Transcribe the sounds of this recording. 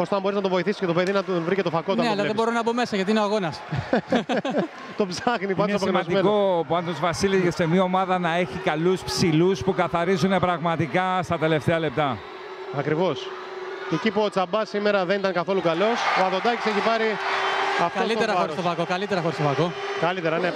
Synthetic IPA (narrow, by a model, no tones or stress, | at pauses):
ost̪oɐmbo̞ɾiznɐt̪ovo̞iθisi̥scet̪o̞peðinɐt̪onvɾicet̪ofɐkot̪nneɐlɐððebo̞ɾonɐbome̞sɐʝɐt̪̬iineoaɣo̞nɐs | t̪obzɐxnipɐsɐposmɐnzd̪iekopuɐnd̪ozvɐsilizʝesemiɐomɐðɐnɐe̞çikɐluspsiluspukɐθɐɾizune̞pɾɐɣmɐt̪ikɐst̪ɐt̪e̞le̞ft̪eɐle̞p̚t̪ɐ | ɐkɾivo̞s | ecipuot͡sɐbɐsimeɾɐðe̞nit̪ɐŋkɐθo̞lukɐlo̞soɐðod̪ɐci̥seçipɐɾi | ɐftkɐosit̪eɾɐoɾst̪ofɐkokɐlit̪eɾɐxoɾist̪ofɐko̞ | kɐlit̪eɾɐne